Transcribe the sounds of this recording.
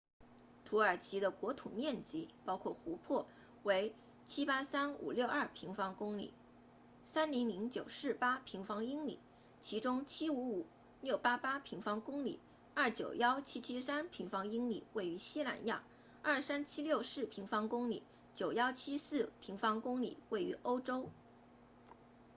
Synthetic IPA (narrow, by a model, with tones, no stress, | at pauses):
t̪ʰu˧˥ə˞˨˩t͡ɕʰi˧˥d̪ə˧kwɔ˧˥t̪ʰu˨˩mjɛ˥˩nt͡ɕi˧˥pɑ˥ʊkʰwɔ˥˩xu˧˥pʰwɔ˥˩ | we˧˥ɪ | t͡ɕʰi˥pa˥sa˥nṵ˨˩ljo˥˧ʊɐ˞˥˩pʰi˧˥ŋfɑ˥ŋkʊ˥ŋlḭ˨˩˦ | sa˥nli˧˥ŋli˧˥ŋt͡ɕjo˨˩ʊʂɻ̩˥˩pa˥pʰi˧˥ŋfɑ˥ŋi˥ŋlḭ˨˩˦ | t͡ɕʰi˧˥ʈ͡ʂʊ˥ŋt͡ɕʰi˥u˧˥u˨˩˦ | ljo˥˩ʊpa˥pa˥pʰi˧˥ŋfɑ˥ŋkʊ˥ŋlḭ˨˩˦ | ɐ˞˥˩t͡ɕjo˨˩ʊjɑ˥ʊt͡ɕʰi˥t͡ɕʰi˥sa˥npʰi˧˥ŋfɑ˥ŋi˥ŋlḭ˨˩we˥˩ɪy˧˥ɕi˥la̰˨˩nja˥˩ | ɐ˞˥˩sa˥nt͡ɕʰi˥ljo˥˧ʊʂɻ̩˥˩pʰi˧˥ŋfɑ˥ŋkʊ˥ŋlḭ˨˩˦ | t͡ɕjo˨˩ʊjɑ˥ʊt͡ɕʰi˥sɹ̩˥˩pʰi˧˥ŋfɑ˥ŋkʊ˥ŋlḭ˨˩we˥˩ɪy̰˧˥ʔo˥ʊʈ͡ʂo˥ʊ